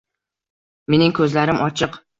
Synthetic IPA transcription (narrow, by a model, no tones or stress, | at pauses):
me̞nɪŋkʰɵzlaɾɪmʔɒt͡ʃʰɨq